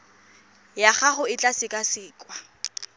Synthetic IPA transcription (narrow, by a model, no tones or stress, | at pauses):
jaχaχʊɪt͡ɬʼasɪkʼasɪːkʼwa